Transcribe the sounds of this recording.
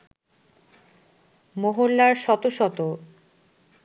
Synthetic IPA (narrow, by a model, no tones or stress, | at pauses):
moɦolːaɾʃɔt̪oʃɔt̪o